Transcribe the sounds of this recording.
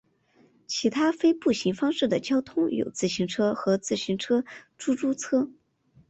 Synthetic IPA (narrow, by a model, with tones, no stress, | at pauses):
t͡ɕʰi˧˥t̪ʰa˥fe˥ɪpu˥˩ɕi˧˥ŋfɑ˥ŋʂɻ̩˥˩d̪ə˩t͡ɕjɑ˥ʊt̪ʰʊ˥ŋjo̰˨˩ʊt͡sɹ̩˥˩ɕi˧˥ŋʈ͡ʂʰɤ˥xɤ˧˥t͡sɹ̩˥˩ɕy˧˥nʈ͡ʂʰɤ˥ʈ͡ʂu˥ʈ͡ʂu˥t͡sʰɤ˥